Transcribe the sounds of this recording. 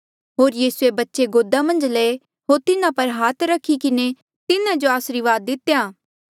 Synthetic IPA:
ɦoːɾjiːsuebɐtːʃeɡoːd̪amɐ̃nd͡ʒleː | ɦoːɾt̪ɪnãpɐɾɦaːt̪ʰɾɐkʰːikɪne | t̪ɪnãd͡ʒoaːsɾiʋaːd̪ːɪt̪ːjaː

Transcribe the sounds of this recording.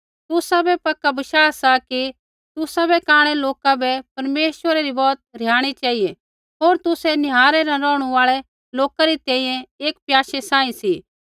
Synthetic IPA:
t̪ʊsabɛpɐkːabɐʃaːasaki | t̪ʊsabɛkãːɽ̃ɛloːkabɛpɐɾmeːʃʋəɾaɾibɔːt̪̚ɾɪjaːɽ̃it͡ʃaːie | ɦoːɾt̪ʊsɛnɪɦaːɾɛɾɛ̃ɾɔːɽ̃ũaːɭɛ | loːkaɾit̪ɛ̃ːĩjɛ̃eːkpjaːʃesãːĩsiː

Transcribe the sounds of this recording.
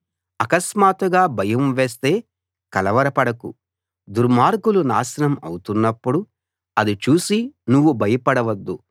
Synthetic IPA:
ɐkɐsmaːt̪uɡaːbʱɐjɐmʋeːs̬t̪e̞ː | kɐlɐʋɐɾɐpɐɽɐkṵ | d̪uɾmaːɾɡulunaːsɐnɐmɐ̰wut̪unːɐpːuɽu | ɐd̪it͡ʃuːsinuʋːubʱɐjɐpɐɽɐʋɐd̪ːu

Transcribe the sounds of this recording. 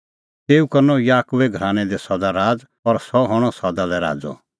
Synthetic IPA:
t̪eːukɐɾnɔjaːkʊʋɛɡʱɾaːñɛd̪ɛsɔd̪aɾaːd͡z | ɔɾsɔɦɔɽ̃ɔsɔd̪alɛɾa̰ːd͡zɔ̰

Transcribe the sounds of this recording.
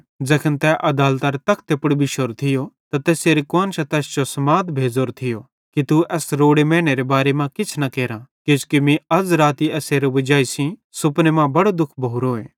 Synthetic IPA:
d͡zɛkʰənt̪ɛʔɐd̪aːlt̪aɾt̪ɐkʰt̪epʊɽbiʃoːɾt̪ʰɪjot̪at̪ɛːseɾikoːnt͡ʃʰɐt̪ɛːsd͡ʒosɐmaːd̪bʱeːd͡zoːɾt̪ʰɪjo | kit̪uɛːsɾoːɽemɛ̃ːɽ̃eɾebaːɾemãkɪt͡sʰnɐkɛːɾãkeːskimĩɐd͡zɾaːt̪iɛːseːɾeʋɐd͡ʒaːisĩsʊpnemãbɐɽod̪ʊkʰbʱouɾoːeː

